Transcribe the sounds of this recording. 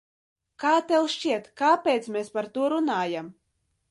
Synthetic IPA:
kaːt̪ɛwʃt͡ʃiɛt̪kaːpʲeːt̪smespaɾt̪uɔɾunaːjam

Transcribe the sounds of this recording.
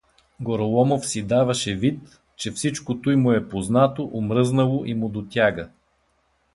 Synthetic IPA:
ɡɔɾɐlˠɔmofsid̪avɐʃɛvit̪ | t͡ʃɛfsit͡ʃkot̪ujmʊɛpoznat̪oʔomɾɤznəlˠoʔimʊd̪ot̪ʲjaɡə

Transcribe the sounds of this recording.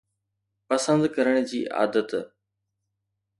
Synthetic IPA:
pɐsə̃nd̪kɐɾəɽ̃d͡ʑiːʔa̰ːd̪ət̪

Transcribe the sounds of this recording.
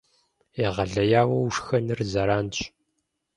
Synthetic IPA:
jɛʁɐɮɐjaːwɐwuʂxɐnɨrzɐɾaːnt͡ʃʼ

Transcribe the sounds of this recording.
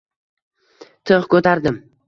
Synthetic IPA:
t̪ʰɨχkʰɵt̪ʰaɾd̪ɪm

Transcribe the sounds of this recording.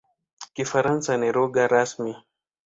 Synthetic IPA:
kifaɾansaniɾɔɡaɾasmi

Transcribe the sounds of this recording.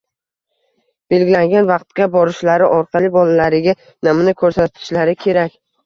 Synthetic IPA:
b̥e̞lɡʲɪlaŋɡʲanvɑqt̪kʲabɒɾɪʃlaɾɪʔɒɾqʰɑlɪbɒlalaɾɪɡʲa | namnɪkʰɵɾsat̪ʰɪ̥ʃlaɾɪkʲʰe̞ɾakʲ

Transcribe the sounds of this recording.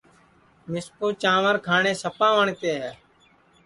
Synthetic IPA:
mɪspuːt͡ʃãːʋəɾkʰaːɳeːsəpãːʋəɳt̪eːɦɛː

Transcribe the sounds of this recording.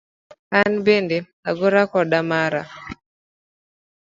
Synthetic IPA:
anbende | aɡoɾakɔɗamaɾa̰

